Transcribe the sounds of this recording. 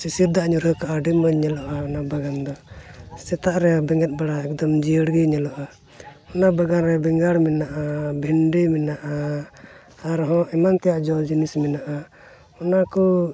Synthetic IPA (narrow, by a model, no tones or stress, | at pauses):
sisiɾd̪aʔɲuɾəkaʔaɖimbəɲɛlɔʔaɔnabaɡand̪ɔsɛt̪aʔɾɛabɛŋɡɛt̪̚baɽaɛk̚d̪ɔmd͡ʒijəɽɡiɲɛlɔʔa | ɔnabaɡanɾɛbɛŋɡaɽminaʔabʱiɳɖiminaʔaː | ɾɦɔ̃ʔɛmant̪ɛjaʔd͡ʒɔld͡ʒinisminaʔa | ɔnakɔ